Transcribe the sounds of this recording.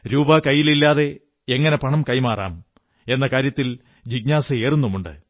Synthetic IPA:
ɾuːbɐkɐjːililːaːðe̞ | eŋːɐne̞pɐɳɐmkɐjmaːrʔa̰ːm | e̞nːɐkaːɾjɐt̪ːil | d͡ʑiɡɲaːsɐeːrunːumuɳɖɨ̰

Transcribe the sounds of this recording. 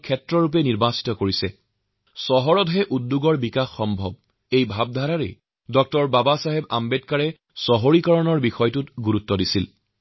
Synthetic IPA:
kʰɛtɹɔɹup̬ɛniɹbasi̥tɔkoɹisɛ | sɔɦɔɹɔtɦɛʔudːuɡɔɹbikaxːɔmbʱɔb̚ | ejbʱab̚dʱaɹaɹɛ̰ | dɔk̚tɔɹbabasaɦɛbambɛtkaɹɛ | sɔɦoɹikɔɹɔnɔɹbixɔjtutɡuɹutːɔdisil

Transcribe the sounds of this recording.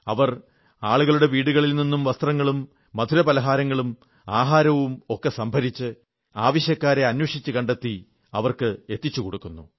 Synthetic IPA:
ɐʋɐr | aːɭuɣɐɭuɽe̞ʋiːɽuɣɐɭilninːumʋɐst̪rɐŋːɐɭumː | ɐd̪ʱuɾɐpɐlɐɦaːɾɐŋːɐɭum | aːɦaːɾɐʋumokːe̞sɐmbʱɐɾit͡ɕːɨ | aːʋɐɕjɐkːaːɾe̞ɐnwɐʂit͡ɕːɨkɐɳɖet̪ːi | ɐʋɐrkɨe̞t̪ːit͡ɕːukoɽukːunːu

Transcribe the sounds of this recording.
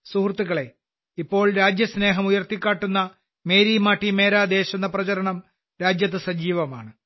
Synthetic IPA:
suhrt̪ːuɣɐɭe̞ | ipːo̞ːɭɾaːd͡ʑjɐsne̞ːɦɐmujɐrt̪ikʲːaːʈːunːɐ | me̞ːɾiːmaːʈːime̞ːɾaːd̪e̞ːɕunːɐprɐt͡ɕɐɾɐɳɐm | ɾaːd͡ʑjɐt̪̬ːɨsɐd͡ʑiːʋɐmaːɳɨ

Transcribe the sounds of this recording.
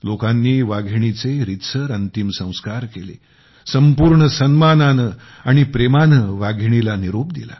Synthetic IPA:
lokãnːiːʋaɡʱɳit͡seɾit̪səɾənt̪imsə̃w̃skaɾkelḛ | səmpuɾɳəsənmananə | aɽ̃ipɾemanəʋaɡʱiɳilaniɾop̚d̪ḭla̰

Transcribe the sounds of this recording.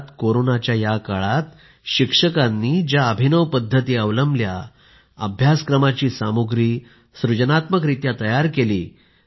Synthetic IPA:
t̪koɾonat͡ɕjajakaɭat̪ | ɕikʂəkanːiːd͡ʑjaəbʱinəʋpəd̪ʱːət̪iːəʋləmblja̰ | ə̰bʱjaskɾəmat͡ɕiːsamuɡɾiː | sɾud͡ʑənat̪mək̬ɾit̪jat̪əjaɾkeliː

